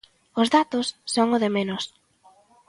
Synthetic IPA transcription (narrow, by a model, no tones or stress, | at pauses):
ʊzðat̪ʊsːoŋʊðɪmenʊs